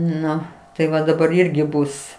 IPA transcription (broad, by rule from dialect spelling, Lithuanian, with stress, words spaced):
ˈnʊ tɐɪ ˈʋɐ dɐˈbɐr ˈɪrʲɡʲɪ ˈbʊs